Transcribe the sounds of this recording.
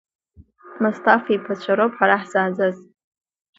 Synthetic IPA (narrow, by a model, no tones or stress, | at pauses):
mustʰafipʰat͡ɕʷʰaɾopħaɾaħz̥aːd͡zaz